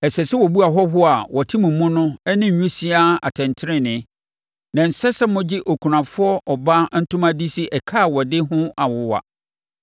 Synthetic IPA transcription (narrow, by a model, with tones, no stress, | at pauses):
ɛ˨sɛ˨sɛ˦wɔ˨bu˦a˨ɦɔ˦ɦʊ˦a˨wɔ˨tʰĩ˦mʊ̃˨mːʊ̃˦nʊ̃˦ɛ˦nɪ̃˦˨ɲ̩˨ɲᶣũ˦si˦a˦a̰˨tʰɛ̃˨ntʰɪ˦ɾɪ̃˦nɪ̃˨˦ | nã˨n̩˨sɛ˦sɛ˦mʊ̃˦d͡ʑɪ˦ʔo˨kʰu˨ɾã˨fʊ˦ɔ˦ʔɔ˨ba˦n̩˦tʰʊ̃˦mã˦di˦si˦ʔɛ˨kʰa˦˨wɔ˨dɪ˦ɦʊ̃˦a˨wʊ˦wa̰˨